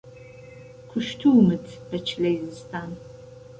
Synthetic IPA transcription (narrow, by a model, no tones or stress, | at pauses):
kʷʰʊʃtʰuwmɨtʰb̥ɐt͡ʃʰɮɐjzɨstʰaːn